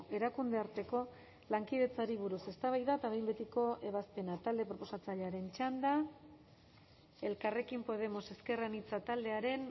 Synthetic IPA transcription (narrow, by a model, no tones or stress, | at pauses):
e̞ɾakund̪e̞aɾt̪e̞ko̞ | laŋkiðe̞t͡saɾiβ̞uɾuse̞st̪aβ̞ajðat̪aβejmbe̞t̪iko̞ʔe̞β̞aspe̞nat̪ald̪e̞pɾo̞po̞sat͡saʎeaɾe̞nt͡ʃand̪a | e̞lkare̞kimpo̞ð̞e̞mo̞se̞ske̞ranit͡sat̪ald̪e̞aɾe̞n